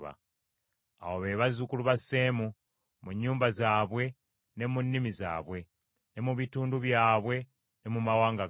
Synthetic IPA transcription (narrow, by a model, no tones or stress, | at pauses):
βa̰ | a̰woβe̞ːβazukuluβasːeːmu | muɲːuːmbazaːβwe̞ | ne̞munːimiza̰ːβwe̞ | ne̞muβituːnduβjaːβwe̞ | ne̞mumawaːŋɡa